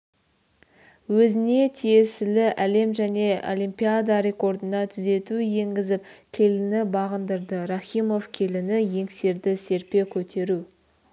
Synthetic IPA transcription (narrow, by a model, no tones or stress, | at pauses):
wɵzɪne̞t̪ʰije̞sɪlɪʔæle̞mʒæne̞o̞̰lʲimpijad̪ɑɾe̞ko̞rd̪ənɑt̪ʰʏze̞t̪uje̞ŋɡʲɪzɪpkʲʰe̞lɪnɪbɑʁənd̪əɾd̪əɾaχʲimo̞fkʲʰe̞lɪnɪje̞ŋse̞ɾd̪ɪse̞ɾpe̞kʲʰɵt̪ʰe̞ɾu